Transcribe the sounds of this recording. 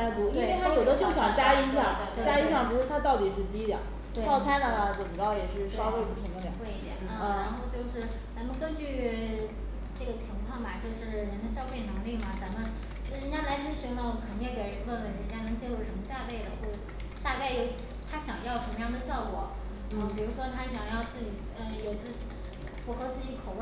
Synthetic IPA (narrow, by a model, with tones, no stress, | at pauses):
t̪u˧˥we˥˩e˥˩a˥jo˨˩ʊd̪ə˦t͡ɕo˥˩ʊɕjɑ˨˩ŋt͡ɕja˥i˥ɕjɑ˥˩ŋ˧t͡ɕja˥i˥ɕjŋp̬u˧˥ʂ̩ʰ˥˩a˥t̪ɑ˥˩ʊt̪i˨˩ʂɻ̩˥˩t̪i˥d̪jɐ̰˨˩˥ | ɑ˥˩ʊt͡sʰa˥ɪnə˨˩nə˩t͡sʊ˨˩kɑ˥˩ʊjɛ˨˩ʂɻ̩˥˩ɕjɑ˥fe˥˩ɪu˨˩ʈ͡ʂʰə˧˥mə˧ljɑ̰˨˥˩xwe˥˧ɪi˧˥˩d̪jɛ̰˨˩n˥˩ɻɻa˧˥nxo˥˧ʊt͡ɕjo˥˧ʊʂɻ̩˥˩ | t͡sa˧˥mə˧kə˥nt͡ɕy˥˧ | ʈ͡ʂɤ˥˩ɡə˩t͡ɕʰi˧˥ŋkʰwɑ˥˩ŋmɐ˩t͡ɕjo˥˧ʊʂɻ̩˥˩ɻə˧˥nd̪ə˧ɕjɑ˥ʊfe˥˩ɪnɤ˧˥ŋli˥˩mɐ˩t͡sa˧˥mə˧n˨˥˩ | ɻə˧˥nt͡ɕja˥la˧˥ɪt͡sɹ̩˥˩ɕy˧˥nlə˧˩˨kʰə˨˩n˥˩jɛ˥˩ke˨˩ɪɻə˧˥nd̪ə˥˩t̪ə˨˩nɻə˧˥nt͡ɕja˥nɤ˧˥ŋt͡ɕjɛ˥lu˥˩ʂə˧˥nmə˧t͡ɕja˥˧pe˥˩ɪd̪ə˩xwɔ˥˩ | t̪a˥˧ke˥˧ɪjo˥˩ʊ˥t̪ʰa˥ɕjɑ˨˩ŋjɑ˥˩ʊʂə˧˥mə˧jɑ˥˩ŋd̪ə˩ɕjɑ˥˩ʊkwɔ˨˥˩ | pi˨˩ɻu˧˥ʂwɔ˥t̪ʰa˥ɕjɑ˨˩ŋjɑ˥˧ʊt͡sɹ̩˥˩t͡ɕi˨˩ | ə˥˧jo˨˩ʊt͡sɹ̩˥˩t͡ɕ | fu˧˥xɤ˧˥t͡sɹ̩˥˩t͡ɕi˧˥kʰo˨˩ʊ˥˩